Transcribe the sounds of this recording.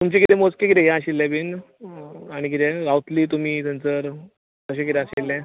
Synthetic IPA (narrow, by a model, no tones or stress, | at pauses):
t̪umt͡ɕẽkit̪ɛmot͡skek̬it̪ɛɦjãaɕilːɛ̃bin | aɽ̃ikit̪ɛɾawt̪liːt̪um̤iːt̪ənt͡səɾ | t̪əɕẽkit̪ɛ̃aɕilːɛ̃